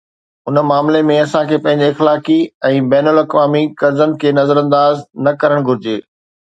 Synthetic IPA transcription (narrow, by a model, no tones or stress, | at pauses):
ʊnəmaːmlemẽɐsãkʰeːpɐ̃ɦɪ̃ɲ̆d͡ʑiɪxlaːkiɛ̃ːbɛːnəlɐkʋaːmikɐɾzənɪ̆kʰeːnɐzəɾə̃nd̪aːznɐkɐɾəɽ̃ɡʱʊɾɪd͡ʑeː